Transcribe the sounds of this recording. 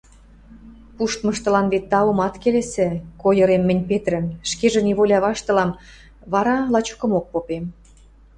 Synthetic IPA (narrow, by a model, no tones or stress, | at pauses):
puʃt̪mɤ̆ʃt̪ɤ̆lɑnβet̪ːɑɤmɑt̪kelesĕkojɤ̆ɾemːɘ̆nʲpet̪ɾə̆nʃkeʒĕniβolʲɑβɑʃt̪ɤ̆lɑm | βɑɾɑlɑt͡ɕo̥kə̆mok̚popem